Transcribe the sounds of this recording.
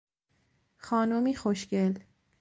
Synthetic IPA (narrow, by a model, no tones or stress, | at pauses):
xɒːnomiːxoʃcel